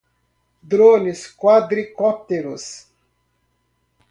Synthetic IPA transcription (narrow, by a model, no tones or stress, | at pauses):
d̪ɾoniskwad̪ɾikɔp̚t̪eɾʊs